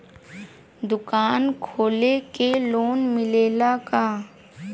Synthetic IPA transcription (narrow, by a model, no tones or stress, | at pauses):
d̪ʊkaːnkʰoːlekeloːnmɪleːlakaː